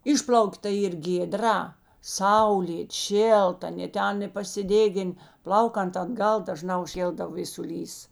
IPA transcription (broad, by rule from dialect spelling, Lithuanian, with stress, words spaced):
ˈɪʃʲpʲlʲɐʊk tɐ ˈiːr ɡʲeːˈdrɐ ˈsɐʊlʲeːt ˈʃʲeːlˠtɐ ɐˈnʲeː ˈtʲɛn ɪ pɐsʲɪˈdʲeːɡʲɪn ˈplˠɐʊkɐnt ɐdˈɡɐlˠ dɐˈʒnɑː ʊʃʲˈkʲeːlˠdɐw ʋʲeːsʊˈlʲiːs